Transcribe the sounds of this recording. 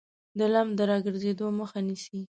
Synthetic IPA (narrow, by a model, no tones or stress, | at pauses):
d̪əlamd̪əɾɑɡəɾzed̪oməxanisi